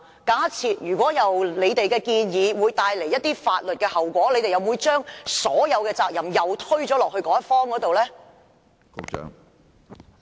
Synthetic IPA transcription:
kaː˨˥t͡sʰiː˧t̚jyː˨˩kʷɔː˨˥jɐ˨wle˨˧jt̪e˨jkɛː˧kiː˧njiː˨˧wuː˨˧jt̪aː˧jle˨˩jɐ˥t̚t̪iː˥faː˧t̚lt̚kɛː˧hɐ˨˩wkʷɔː˨˥le˨˧t̪e˨jɐ˨˩wmuː˨˧jt͡ʃœː˥ŋsɔː˨˥jɐ˨˧wkɛː˧t͡saː˧k̚jɐ˨˩mjɐ˨wt̪ʰɵ˥ɥt͡ʃɔː˨˥lɔː˨k̚hɵ˧kɔː˨˥jɐ˥tfɔː˥ŋkɔː˨˥t̪o˨wlɛː˥ | kʊ̰˨˥t͡ʃœ̰ː˧˥ŋ

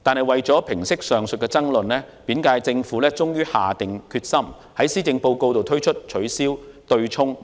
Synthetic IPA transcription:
t̪aː˨nhɐ˨jwɐ˨jt͡sɔː˨˥pʰɪ˨˩ŋsɪ˥k̚sœː˨˩ŋsɵ˨t̚kɛ˧t͡sɐ˥ŋlɵ˨nlɛː˥piː˨˥nkaː˧jt͡sɪ˧ŋfuː˨˥lɛː˥t͡sʊ˥ŋjyː˥haː˨t̪ɪ˨ŋkʰyː˧t̚sɐ˥m | hɐ˨˥jsiː˥t͡sɪ˧ŋpo˧wko˧wt̪o˨wt̪ʰɵ˥ɥt͡ʃʰɵ˥t̚t͡ʃʰɵ˨˥ɥsiː˥wt̪ɵ˧ɥt͡ʃʰʊ˥ŋ

